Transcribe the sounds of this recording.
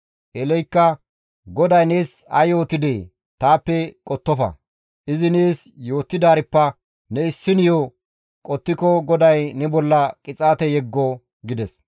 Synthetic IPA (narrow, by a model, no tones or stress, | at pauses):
ʔɛlɛjkːɐ | ɡɔd̪ɐjneːs | ɐ̰jo̞ːt̪ːɪd̪eː | t̪aːpːɛkʼɔt̪ːɔfɐ̰ | ʔɪzɪneːsjo̞ːt̪ːɪd̪aːɾɪpːɐ | nɛɪsːɪnɪjo | kʼɔt̪ːɪkɔɡɔd̪ɐjnɛbɔlːɐkʼɪt͡sʼaːt̪ɛjɛɡːɔ | ɡɪd̪ɛs